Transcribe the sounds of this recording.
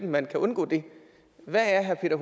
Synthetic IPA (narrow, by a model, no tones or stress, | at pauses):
d̥n̩mænkʰæʔɔ̽nɡ̥ɔ̰ːd̥e̝ | ʋææɐɦæɐpʰe̝̰ːd̥ɐɦ